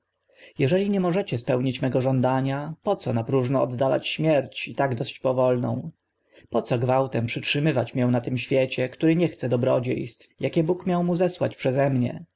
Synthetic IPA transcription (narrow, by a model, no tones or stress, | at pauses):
jɛʐɛlʲiɲɛmɔʐɛt͡ɕɛspɛwɲit͡ɕmɛɡɔʐɔnd̪aɲapɔt̪sɔnapɾuʐnɔɔd̪ːala̰t͡ɕɕmʲjɛɾt͡ɕit̪aɡd̪ɔɕt͡ɕpɔvɔlnɔ̰̃w̃ | pɔt̪sɔɡvawt̪ɛmpʂɘt͡ʂʂɘmɘvat͡ɕmʲjɛ̃w̃nat̪ɘmɕfʲjɛt͡ɕɛkt̪uɾɘɲɛxt̪sɛd̪ɔbɾɔd͡ʑḛjst̪jakʲɛbukmʲjawmuzɛswa̰t͡ɕpʂɛzɛmɲɛ̰